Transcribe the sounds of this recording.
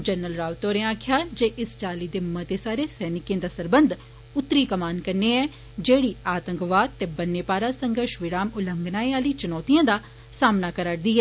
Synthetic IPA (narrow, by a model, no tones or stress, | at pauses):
d͡ʒənːəlɾaːʋt̪oːɾẽaːkʰjaːd͡ʒeːʔɪst͡ʃaːliːd̪eːmət̪eːsaːɾeːsɛːnɪkjẽːd̪aːsəɾbənd̪ʱ | ʊt̪ːɾiːkəmaːnkəɾneːɛː | d͡ʒeːɽiːaːt̪ə̃ŋkʋaːd̪̚t̪eːbənːeːpaːɾaːsə̃ŋɡəɾʃʋɪɾaːmʊləŋɡnaːeaːliːt͡ʃʊnɔːt̪ijãːd̪aː | saːmnaːkəɾəʈd̪iːɛː